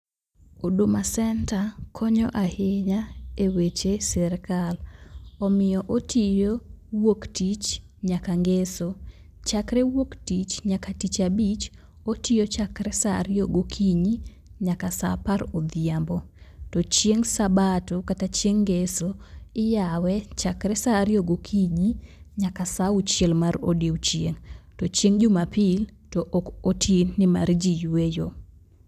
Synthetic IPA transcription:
odumasɛntakʰɔɲɔʔahɪɲaewet͡ʃesɛɾkalɔmɪjɔʔotʰɪjowoktit͡ʃ | ɲakaŋɡeso | t͡ʃakɾɛwoktit͡ʃɲakatit͡ʃabit͡ʃ | otijot͡ʃakɾɛsa̰ɾjoɡokʰiɲi | ɲakasa̰paɾod̪jambɔtɔt͡ʃjeŋsabatɔkatat͡ʃjeŋɡesoɪjawɛt͡ʃakɾɛsaɾjoɡokʰiɲi | ɲakasaut͡ʃjelmaɾo̰diut͡ʃjeŋtot͡ʃjeŋd͡ʒʊmapiltɔʔokotʰennːɪma̰ɾd͡ʒijejo

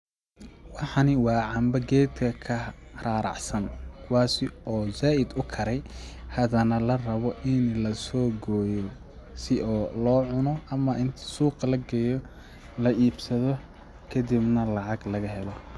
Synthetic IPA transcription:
wɑħɑnɪwɑːʕɑmbɐɡɛːd̪kʰɐkʰɐraːɾɑ̰ʕsɐnkʰʊwɑːsɪɔːzaːʔɪd̪ʊkʰɐɾɛjhɐðɐnɐlɐrɐβɔʔɪnlɐsɔːɡɔːjɔ | sɪʔɔːlɔːʕʊnɔʔɐmɐʔɪnt̪ʰɐ̥suːqlɐɡɛjɔ | lɐiːbsɐðɔ | kʰɐd̪ibnɐlɑʕɑɡlɐɣɐɦɛlɔ

